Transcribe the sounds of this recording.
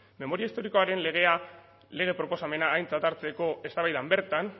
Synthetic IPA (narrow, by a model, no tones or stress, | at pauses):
me̞mo̞ɾiaist̪o̞ɾiko̞aɾe̞nle̞ɣ̞e̞a | le̞ɣe̞pɾopo̞same̞naːjnt͡sat̪aɾt͡se̞ko̞e̞st̪aβajðambe̞ɾt̪an